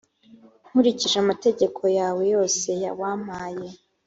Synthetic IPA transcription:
ŋ̥huɾiciʒamate̞ɟe̞kʰo̞jaːwe̞jo̞ːse̞ja̰waːm̥aːje̞

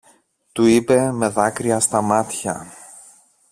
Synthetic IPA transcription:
t̪uipe̞me̞ðɐkɾiɐst̪ɐmɐt̪çɐ̰

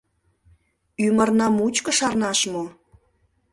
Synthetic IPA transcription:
ymərnɑmut͡ɕkə̆ʃɑrnɑʃmo

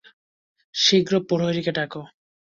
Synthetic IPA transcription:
ʃiɡɾopoɾoeɾikeʈako

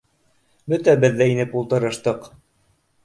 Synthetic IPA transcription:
bɵt̪æbɘ̆ðːæinɘpulˠt̪ɤ̆ɾɤ̆ʃt̪ɤq

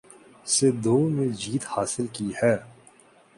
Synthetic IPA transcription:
sed̪oːmẽd͡ʒiːt̪haːsɪlkihɛː

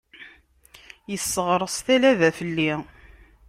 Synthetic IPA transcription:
jəsːəʁɾˤəsˤθælæðæfəlːi

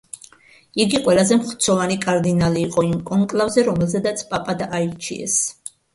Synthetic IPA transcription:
iɡiqʼwɛlazɛmχt̪sʰɔvanikʼaɾd̪inaliːqʼɔimkʼɔŋkʼlˠavzɛɾɔmɛlzɛd̪at̪sʰpʼapʼad̪aʔaiɾt͡ʃʰḭɛ̰s

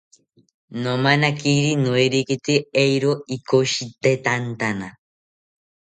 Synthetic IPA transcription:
nomanakiɾinoiɾikit̪iejɾoikoʃit̪et̪ant̪ana

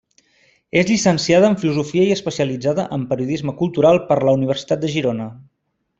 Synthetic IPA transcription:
ezʎisənsiaðəːɱfiluzufiəiəspəsiəlid͡zaðəʔəmpəɾiuðizməkulˠt̪uɾalˠpəɾləuniβ̞ərsi̥t̪at̪̚d̪əʒiɾonə

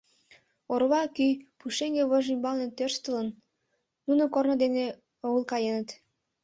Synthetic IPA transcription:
orβɑkypuʃeŋɡeβəʒimʲbɑlnent̪ørʃt̪ə̆lənː | unəkornŏd̪ene | oulkɑjenə̆t̪

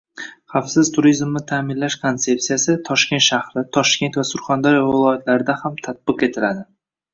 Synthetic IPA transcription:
χafsɪzt̪ʰʊɾizmnɪt̪ʰaːmɪnlaʃkʰont̪se̞psijasɪt̪ʰɒʃkʲe̞nt̪ʃahɾɪt̪ʰɒʃkʲe̞nt̪vasʊɾχand̪ɒɾjvɪɪlˠɒjat̪ʰlaɾɪd̪ahamt̪ʰat̪̚bɨqe̞t̪ʰɪlad̪ɪ

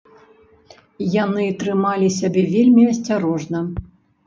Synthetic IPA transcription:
janɨt̪ɾɨmalʲisʲabʲɛvʲelʲmʲiɐsʲt͡sʲaɾɔʐnɐ

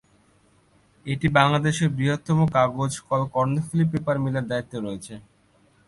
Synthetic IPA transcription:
eʈibaŋlad̪eʃeɾbɾiɦot̪ːɔmokaɡod͡ʑkɔlkɔɾnofulipːepaɾmilaɾd̪ait̪ːoɾɔet͡ɕʰe

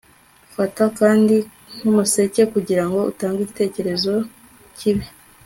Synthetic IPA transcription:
ufatakaːndi | ŋ̥umuse̞ce̞kuɟiɾaŋɡo̞ṵtaːŋɡiɟite̞ːce̞ɾe̞zo̞ | ciβi

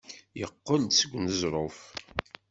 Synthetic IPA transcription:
jəqːənt̪səɡʷːnəzɾˤof

